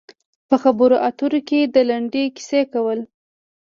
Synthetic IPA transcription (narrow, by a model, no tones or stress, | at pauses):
pəxabəɾoʔat̪uɾoked̪əlaɳɖeki̥sekawəl